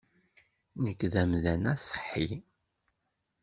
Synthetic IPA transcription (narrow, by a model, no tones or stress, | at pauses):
nəkːðæmðænæsˤħːi